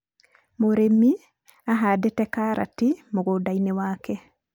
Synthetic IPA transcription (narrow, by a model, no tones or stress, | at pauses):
moɾemi | aɦadetɛkaɾʔa̰timoɣodainewaːkɛ